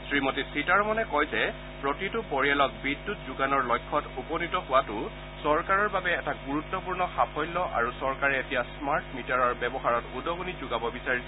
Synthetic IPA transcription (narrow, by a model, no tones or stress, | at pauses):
sɹimɔtisitaɹmɔnɛkɔjzɛ | pɹɔtitʊpɔɹijalɔk̚bidːutzʊɡanɔɹlɔjkʰːɔtupɔnitɔhʊwatʊ | sɔɹkaɹɔɹbabɛːtaɡuɹutːɔpuɹnɔxapʰɔjlːɔʔa̰ɹusɔɹkaɹɛetijasmaɹtmitaɹɔɹbɛbɔxaɹɔtudɔɡunizʊɡabɔbisaɹisɛ